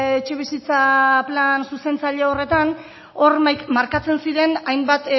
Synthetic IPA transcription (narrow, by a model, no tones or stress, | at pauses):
et͡ʃe̞β̞isit͡saplansuse̞nt͡saʎeore̞t̪an | o̞rmaɾkat͡se̞nsiɾe̞najmbat̪